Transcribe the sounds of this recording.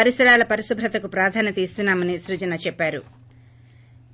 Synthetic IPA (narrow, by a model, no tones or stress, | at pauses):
ɐɾisɐlaːlɐpɐɾisubʱɾɐt̪ɐkupɾaːd̪ʱaːnɐt̪iːst̪unːaːmɐnisɾut͡ʃɐnaːt͡ʃɛpːaːɾṵ